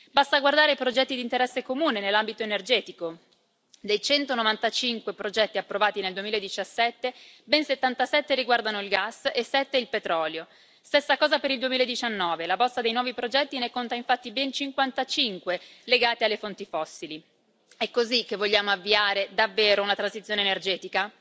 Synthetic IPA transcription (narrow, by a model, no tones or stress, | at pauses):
bast̪aɡward̪aːɾeipɾod͡ʒɛt̪ːid̪int̪eɾɛsːekomuːnenelːambit̪oenerd͡ʒɛːt̪iko | d̪ejt͡ʃɛnt̪onovant̪at͡ʃiŋkwepɾod͡ʒɛt̪ːiapːɾovaːt̪ineld̪uemiːlaed̪it͡ʃasːɛt̪ːebɛnset̪ːant̪asɛt̪ːeɾiɡward̪anoilɡasesːɛt̪ːeilpet̪ɾɔːljo | st̪esːakɔːzapeɾild̪uemiːlaed̪ːit͡ʃanːɔːvelabɔst̪ad̪ejnwɔːvipɾod͡ʒɛt̪ːinekːont̪aiɱfat̪ːibɛnt͡ʃiŋkwant̪at͡ʃiŋkweleɡaːt̪ealːefont̪ifɔsːili | ɛkːozik̟ːevːoʎːaːmoavːiaːɾed̪avːeːɾounat̪ɾansit̪sjoːneːnerd͡ʒɛːt̪ika